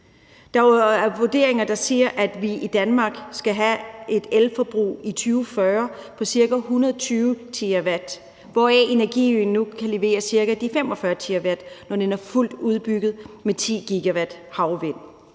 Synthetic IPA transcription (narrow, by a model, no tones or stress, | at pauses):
d̥ɑ̈ʋod̥e̝̰ɐeŋɐd̥ɑ̈siɐʔæd̥ʋiʔid̥ænmɑ̈ːɡ̥sɡ̥æɦæʔe̝d̥elfɒb̥ʁṵːit͡sʰyːʊfɶɐpʰɒ̽siɐɡ̥æɦunɐðˠt͡sʰyːʊt͡sʰiæʋæd̥ | ʋɒɛ̰e̝næɐɡ̥ḭyn̩ːukʰæle̝ʋe̝̰ːɐsiɐɡ̥æd̥ifem̰ɒ̽fɶɐt͡sʰiæʋæd̥nɒd̥enæɐful̰d̥uð̞ˠb̥yɡ̥ð̞̩ˠmet͡sʰḭːɡ̥iɡ̥æʋæd̥hɑ̈ʊʋe̝n̰